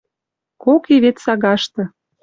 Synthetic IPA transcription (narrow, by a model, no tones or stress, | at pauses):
kokeβet̪sɑɣɑʃt̪ɤ̆